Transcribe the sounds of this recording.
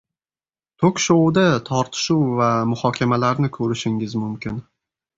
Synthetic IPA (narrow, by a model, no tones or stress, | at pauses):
t̪ʰokʲʃowd̪at̪ʰɒɾt̪ʰɪ̥ʃuwvamʊhɒkʲʰamalaɾnɪkʰɵɾɪʃɪŋɪzmʊmkʲʰɪn